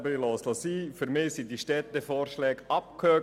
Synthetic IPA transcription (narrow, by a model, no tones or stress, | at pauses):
bəɾilɔːslɔsiːfʏɾmɪːsidiʃtɛt̪ːəfɔːrʃlɛːɡɑp̚kʰhøː